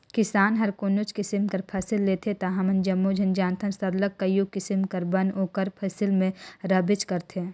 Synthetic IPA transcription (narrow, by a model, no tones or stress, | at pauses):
kɪsaːnɦɐɾkonʊt͡ʃkɪsɪmkɐɾpʰɐsɪlːeːt̪ʰet̪aɦɐmɐnd͡ʒɐmːod͡ʒʱɐnd͡ʒãːnt̪ʰənsɐɾləkːɐjukɪsɪmkɐɾbɐnoːkəɾpʰɐsɪlmẽɾɐbɪt͡ʃkɐɾt̪ʰeː